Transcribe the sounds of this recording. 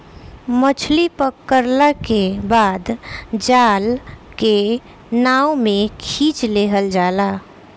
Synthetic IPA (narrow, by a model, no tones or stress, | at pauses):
mət͡ʃʰlipəkːəɾlakebaːd̪d͡ʒaːlke | naːwmẽkʰiːt͡ʃleːɦəld͡ʒaːla